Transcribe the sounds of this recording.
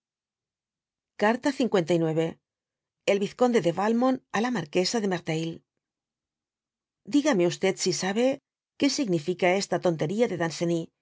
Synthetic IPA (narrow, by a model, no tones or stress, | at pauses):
kaɾt̪aθiŋkwe̞nt̪ajnwe̞βe̞ | elβiθko̞nd̪e̞ðe̞βalmonalamaɾke̞saðe̞maɾt̪ail | d̪iɣame̞ust̪e̞t̪sisaβe̞ | ke̞siɣnifikae̞st̪at̪o̞nt̪e̞ɾiaðe̞ðanseni